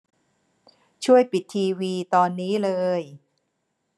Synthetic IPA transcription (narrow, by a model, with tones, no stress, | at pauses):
t͡ɕʰu˥˩əjpi˨˩t̪ʰːiː˧wiː˧t̪ɔː˧nːiː˦˥lɤː˧j